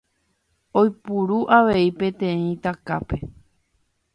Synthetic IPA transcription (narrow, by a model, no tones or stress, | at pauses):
ojpuɾuʔaʋe̞ipẽ̞t̪ẽĩt̪aka̰pe̞